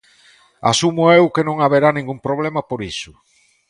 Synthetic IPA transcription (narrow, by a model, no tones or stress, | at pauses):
a̰sumʊewkenõŋaβeɾanĩŋɡumpɾoβ̞lemɐpoɾisʊ